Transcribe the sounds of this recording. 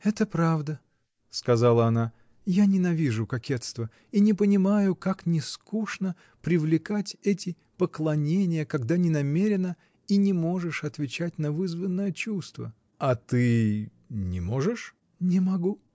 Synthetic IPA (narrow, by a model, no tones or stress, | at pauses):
ɛt̪əpɾavd̪ə | skɐzalˠəɐna | janʲɪnɐvʲiʐʊkɐkʲe̞t̪st̪və | inʲɪpənʲɪmajʊkaknʲɪskuʂnə | pɾʲɪvlʲɪkatʲɛtʲɪ | pəklˠɐnʲenʲɪjəkɐɡd̪anʲɪnɐmʲeɾʲɪnə | inʲɪmo̞ʐɨʂɐt̪vʲɪt͡ɕætʲnəvɨzvənːəjət͡ɕust̪və̰ | ɐt̪ɨ | nʲɪmo̞ʐɨʂ | nʲɪmɐɡu